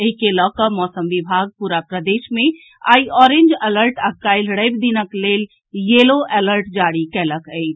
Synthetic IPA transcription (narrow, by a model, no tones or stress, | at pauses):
əɦikelɔkəmɔːsəmʋibʱaɡ̚puɾapɾəd̪eʃmẽ | a̰iɔɾẽnd͡ʒələɾʈakaɪlɽəɪbd̪inəklel | jeloʔeləɾʈd͡ʒaɽikɛləkət̪ʰ